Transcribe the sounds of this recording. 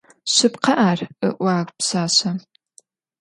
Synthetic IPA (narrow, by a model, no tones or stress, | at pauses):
ɕɨpqɐʔaːrɨʔʷaːrʷpsaːɕɐ